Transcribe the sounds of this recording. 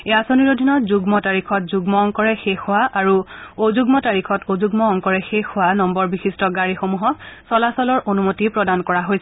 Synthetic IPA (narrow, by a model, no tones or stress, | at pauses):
easoniɹodʱinɔtzuɡmɔtaɹikʰɔtzuɡmɔɔŋkɔɹɛxexʊwaʔaɹuozuɡmɔtaɹixʰɔtozuɡmɔːŋkɔɹɛxexʊwanɔmbɔɹbixistɔɡaɹixomuɦɔksɔlasɔlɔɹʔonumotipɹɔdankɔɹaɦojsɛ